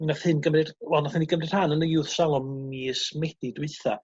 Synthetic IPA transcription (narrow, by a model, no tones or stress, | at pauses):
naθhɨnɡəmrɨd̥wɛlˠnaθhɪniɡəmrɨd̥hanənəɪwðsalˠɔmːismɛd̥idwɨɨθa̰